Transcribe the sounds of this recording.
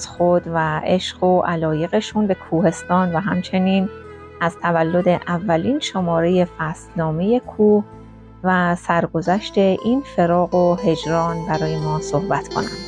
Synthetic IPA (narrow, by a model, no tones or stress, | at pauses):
zxod̪væeʃɢoʔælɒːje̞ɣe̞ʃuːnbe̞kʰuːhe̞st̪ɒːnvæɦæmt͡ʃʰe̞niːn | ʔæzt̪ʰævælːo̞d̪e̞ʔævːæliːnʃo̞mɒːɾeje̞fæst̪nɒːme̞je̞kʰuːh | væsæɾɡo̞zæʃt̪e̞ʔiːnfe̞ɾɒːɣoɦe̞d͡ʒɾɒːnbæɾɒːje̞mɒːso̞hbæt̪kʰo̞̰næ̰nd̪̥